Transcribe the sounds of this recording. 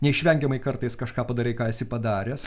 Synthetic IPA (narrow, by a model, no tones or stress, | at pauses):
nʲɛɪʃʲʋʲɛŋʲɡʲɛmɐɪkɐɾt̪ɐɪskɐʃkɑːpɐd̪ɐɾʲɛɪkɑːɪsʲɪpɐd̪ɑːɾʲɛːs